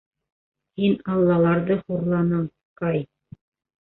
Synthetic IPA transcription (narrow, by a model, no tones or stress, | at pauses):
hinɑlˠːɑlˠɑɾðɤχuɾlˠɑnɤɴ | qɑj